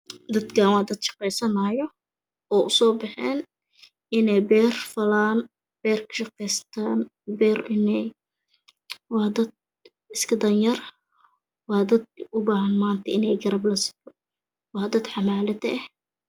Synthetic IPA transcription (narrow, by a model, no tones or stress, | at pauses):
d̪ɐd̪kaːwaːd̪ɐd̪ʃɑ̥qɛjsɐnaːjɔ | ʔɔːʔʊsɔːbɪħɛːn | ʔɪnɛjbɛːrfɐlaːn | b̥ɛːrkʰɐ̥ʃɑqɛjst̪ʰaːn | bɛːrɪnɛj | wɑːd̪ɐd̪̚ | ɪskʰɐd̪ɐnjɐr | wɑːd̪ɐd̪̚ʊbaːhɐnmaːnt̪ʰɐɪnɛjɡɐɾɐblɐsɪ̥t̪ɔ | wɑːd̪ɐd̪ħɑmaːlɐd̪ɐɛh